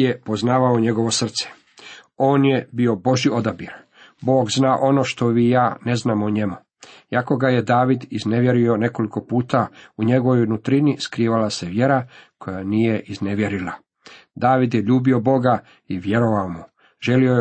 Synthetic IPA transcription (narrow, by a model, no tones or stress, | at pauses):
epo̞znaːʋaoɲe̞ɡo̞ʋo̞sr̩t̪se̥ | o̞ːnje̞bio̞bo̞ʒio̞d̪abiɾ | bo̞ːɡznaːʔo̞no̞ʃt̪o̞ʋijaːne̞znaːmoɲe̞mu | jako̞ɡaje̞d̪aːʋid̪izne̞ʋje̞ɾio̞ne̞ko̞liko̞puːt̪auɲe̞ɡo̞ʋojnut̪ɾiniskɾiːʋalase̞ʋje̞ɾakʰo̞janiːjeʔizneʋje̞ɾila | d̪aːʋid̪jeʎuːbio̞bo̞ɡa | iʋje̞ɾo̞ʋaomu | ʒe̞lioe